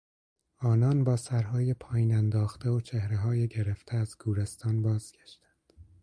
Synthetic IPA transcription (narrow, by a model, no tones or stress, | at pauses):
ɒːnɒːnbɒːsæɾhɒːjepʰɒːjiːnænd̪ɒːxt̪eot͡ʃʰehɾeɦɒːjeɟeɾeft̪ʰeæzɡʰuːɾest̪ʰɒːnbɒːz̥ɡ̥ʲæʃt̪ænd̪̥